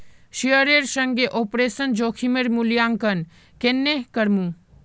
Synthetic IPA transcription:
ʃiəɾeɾsəŋɡeʔoːpɾeːsənd͡ʒoːkʰimeɾmuljaːŋkən | kenːekəɾmũ

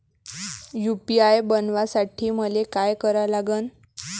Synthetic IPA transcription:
jupiajbənʋasaʈʰiːməlekajkəɾalaɡən

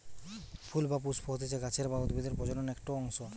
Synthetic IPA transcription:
pʰulbap̬uspʰoɦot̪ʰet͡ɕʰeɡat͡ɕʰeɾbaud̪bid̪eɾpɾɔd͡ʑononɛkʈoɔŋʃo

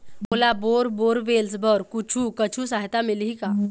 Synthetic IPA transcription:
boːlaboːɾboːɾʋeːlsbəɾkʊt͡ʃʰukət͡ʃʰusaːɦɪt̪amɪlɦikaː

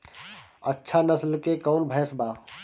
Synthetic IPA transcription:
ətːʃʰanəslkekɔːnbʱɛːsbaː

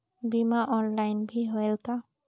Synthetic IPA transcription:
bimaʔɔnlajnbʱiɦojɛlka

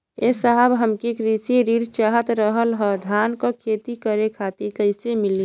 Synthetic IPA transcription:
esəɦəbɦəmkikɾisiɾiːɽt͡ʃaɦət̪ɾəɦəlɦɔd̪ʱaːnkokʰet̪ikəɾekʰat̪iɾkəɪsemɪli

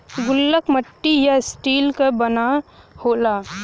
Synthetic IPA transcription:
ɡʊlːəkməʈːijaɪsʈiːlkabənahoːlaː

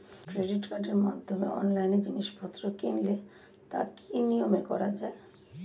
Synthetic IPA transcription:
kɾeɖiʈkaɖeɾmad̪ʱːomeɔ̰nlajnd͡ʑiniʃbʱɔt̪ːɾokinle | t̪a̰kʰinijomekɔ̰ɾad͡ʑae

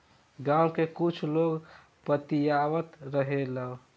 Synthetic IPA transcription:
ɡãwkekut͡ʃʰloɡ | pət̪ijaʋət̪ɾəɦeləw

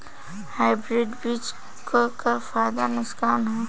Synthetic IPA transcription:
haːɪbɾɪɖbit͡ʃ | kokafaːjd̪anʊskaːnɦɛ

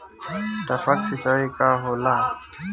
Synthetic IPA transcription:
tafat͡sʰɪt͡ɬʼaɪkʼaɦʊla

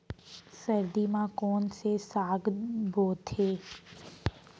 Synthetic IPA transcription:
səɾd̪imãkɔːnsesaːɡbʱoːt̪ɦeː

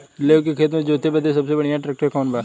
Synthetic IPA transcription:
leːkekʰeːt̪mõd͡ʒoːt̪ʰebəd̪esəbseːbəɽɪjãːʈɾək̚ʈəɾkɔːnbaː

